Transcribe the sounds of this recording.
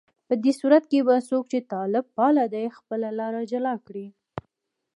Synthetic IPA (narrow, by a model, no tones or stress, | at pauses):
pəd̪esuɾat̪kebasok̚t͡ʃet̪ɑlɪb̚pɑlad̪ajxpəlalɑɾad͡ʒalɑkɽi